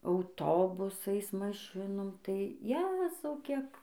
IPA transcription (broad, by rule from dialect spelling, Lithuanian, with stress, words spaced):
ɐʊˈtoːbʊsɐɪs mɐˈʃʲɪnoːm tɐɪ ˈjæːzɐʊ ˈkʲiɛk